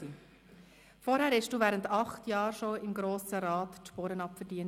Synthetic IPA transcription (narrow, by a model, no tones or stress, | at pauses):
i | fɔɾhæːɾhɛʃd̥uːʋæːɾəntɑχtjɑːɾʃoɪmɡɾoːsəɾɑːtʃpoːɾənɑpfəɾdiən